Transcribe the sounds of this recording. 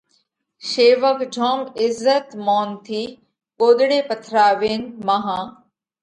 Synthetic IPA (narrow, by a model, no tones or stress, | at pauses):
ʃeːʋəkd͡ʒʱɔːmɪzːət̪mɔːnt̪ʰiː | koːd̪ɽeːpət̪ʰɾaːʋeːnmaɦãː